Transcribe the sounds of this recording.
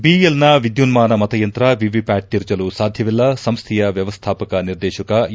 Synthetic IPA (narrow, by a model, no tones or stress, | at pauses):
biːjelnɐʋid̪junmaːnɐmɐt̪ɐjɐnt̪ɾɐʋiʋipæːʈ̚t̪iɾt͡ʃɐlusaːd̪ʱjɐʋilːɐsɐmst̪ʰijɐʋjɐʋɐst̪ʰaːpɐkɐniɾd̪ɛːʃɐkɐ